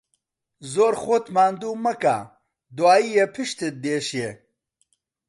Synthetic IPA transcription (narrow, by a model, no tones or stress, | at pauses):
zoːɾxoːt̪maːnd̪uːmɐka̰ː | d̪uwaːiːjepʰiʃt̪et̪̚d̪eːʃe